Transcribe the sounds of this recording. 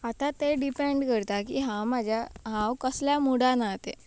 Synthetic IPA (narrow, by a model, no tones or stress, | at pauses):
at̪at̪eɖipeɳɖkəɾt̪akiɦãwmad͡ʑʱjaɦãwkəsljamuɽanaɦt̪e